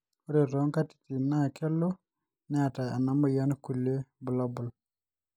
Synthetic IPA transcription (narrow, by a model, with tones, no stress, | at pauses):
o˦ɾe˨ɾɔ˨˦ŋka˦ti̥˨ti˨mna˦˨kɛ˦lɔ˦ | nɛ˦a˨ta˨a˨na˦mɔ˨jɔ˦nku˨le˦bʊ˨lɔ˦bʊ˨l